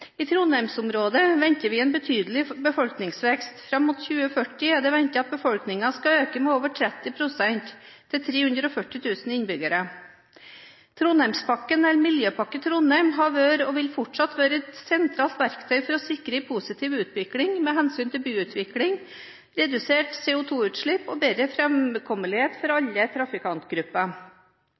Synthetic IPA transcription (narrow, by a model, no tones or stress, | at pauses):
ɪːt̪ʰɾuːnæɾmsʊmɾoːd̪əʋɛɲt̪əʋɪɛːnbət̪ʰyːd̪əl̩ɪbəfɔlknɪŋsʋɛkst̪fɾɑmːʊt̪çʉːəfœʈɪd̪ɛʋɛnt̪əɑt̪̚bəfɔlknɪŋɑskɑøːkəmɛːoːʋəʈʰɾɛt̪ːɪpʰɾʊsɛnt̪ʰːɪlt̪ʰɾeːhʉnd̪ɾəɔfœʈɪt̪ʰʉːsn̩ɪnbʏɡəɾə | t̪ʰɾuːnæɾmspɑkːənɛlmɪljøːpʰɑkːət̪ʰɾʊnæɪmɦɑʋøːɾɔʋɪlfɔʈʂɑt̪ʋøːɾəɛt̪sɛnt̪ʰɾɑːlt̪ʋæɾkt̪ʰœʏfɔɾɔsɪkɾəɪpʰusɪt̪ʰiːʋʉːt̪ʋɪklɪŋmeːɦɛnsyːnt̪ʰɪlbyːʉːt̪ʰʋɪklɪŋ | ɾɛd̪ʉseːʈseːʊt̪ʰuːʉːt̪ʂɭɪpɔbeːd̪ɾəfɾɛmkʰɔməlɪheːt̪fɔɾɑʎːət̪ʰɾɑfɪkʰɑnt̪ɡɾʉpːɑ